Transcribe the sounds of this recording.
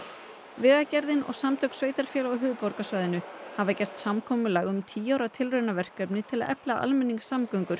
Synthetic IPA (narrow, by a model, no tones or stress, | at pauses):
vɪɣacɛɾðɪnɔ̰ɣsamt̪ʰœksveːjt̪aɾ̥fjɛːlawɦʏːðpɔɾkasvaːjðɪnʏhavacɛr̥t̪samkʰɔːmʏlaɣʏmt̪ʰiːawɾat̪ʰɪlrœɥnavɛr̥kœpnɪt̪ʰɪla̰ðʔɛplaʔa̰lmɛnːiŋksamkœɥŋkʏɾ̥